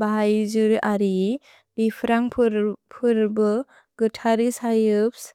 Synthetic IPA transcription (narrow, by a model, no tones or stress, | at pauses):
baɦajzɯɾaɾi | bipʰɾaŋpʰɾpʰɯɾbɯ | ɡ̥ɯtʰaɾisajɯps